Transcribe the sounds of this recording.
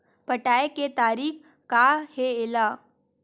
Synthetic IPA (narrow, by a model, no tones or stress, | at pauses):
pəʈaːeket̪aːɾiːx | kaheɪlaː